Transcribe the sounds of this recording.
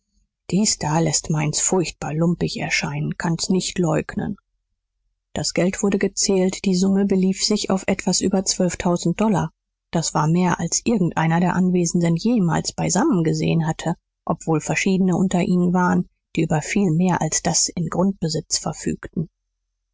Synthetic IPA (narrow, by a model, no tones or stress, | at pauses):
d̥iːsd̥aːlɛstmaɪnsfʊɐçt̚b̥aːɐlʊmpɪçɛ̰ɐʃaɪnənkʰansnɪçtlɔʏknə̰n | d̥asɡ̥ɛltv̥ʊɐɾəɡət͡sɛːltd̥iːzʊməbəliːfz̥ɪça̰ʊfʔɛtv̥asʔyːbɐt͡sv̥œlftʰaʊzn̩t̚d̥ɔlɐ̰ | d̥asv̥aːɐmeːɐʔalsʔɪɐɡŋ̩tʔaɪnɐdeːɐʔanveːzn̩dənjeːma̰ːlsb̥aɪzamən̩ɡəzḛːənɦatʰə | ʔɔpv̥oːlfɛɐʃiːdənəʔʊntɐʔiːnənvaːʁən | d̥iːʔyːbɐfiːlmeːɐʔalsd̥asɪnɡʁʊnt̚b̥əzɪt͡sfɛɐfy̰ːktn̩